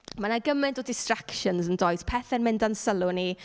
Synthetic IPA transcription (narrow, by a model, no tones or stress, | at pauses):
manaɡəmɛntʰɔdɪstrakʃənsəndoːjspʰɛθɛnmɪndansəlˠʊni